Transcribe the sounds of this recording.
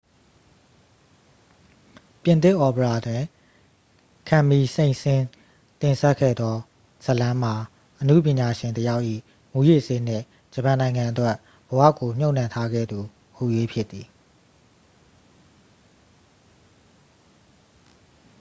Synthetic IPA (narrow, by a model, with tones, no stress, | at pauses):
pjɪ̃˨nt̪ɪ˦˨ʔɔ˨pə˨ɹa˨dwɪ̃˨ | kʰã˨mi˨sẽ˨ɪ̃nsɪ̃˦ | t̪ɪ̃˨nsɛ˦ʔkʰːɛ̰˦˨d̪ɔ˦ | səlã˦m̥a˨ | ʔənṵ˦˨pjɪ̃˨ɲa˨ʃɪ̃˨ntəja˦ʊʔḭ˦˨ | mu˨jḛ˦˨se˦nɪ̰̃˦˨ | d͡ʑə˨pã˨nã˨ɪ̃ŋã˨ʔətwɛ˦ʔ | b̥əwä̰˦˨ko˨m̥jo˦ʊ̃n̥ã˦˨ntʰa˦ɡɛ̰˦˨d̪u˨ | hṵ˨je˦pʰjɪ˦t̪ːi˨